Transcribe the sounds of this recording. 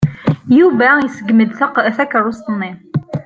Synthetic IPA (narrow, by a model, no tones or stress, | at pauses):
juvæjəsəɡməd̪θækʕust̪nːi